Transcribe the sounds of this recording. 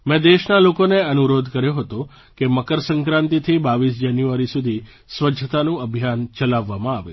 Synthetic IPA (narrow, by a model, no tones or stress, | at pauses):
mɛ̃d̪eʃnalokoneənuɾod̪ʱkəɾjoɦət̪õ | keməkəɾsə̃ŋkɾãnt̪it̪ʰibaʋisd͡ʒanjuaɾisud̪ʱi | sʋəd͡ʒʱət̪anũəbʱjant͡ʃəlaʋːamãaʋḛ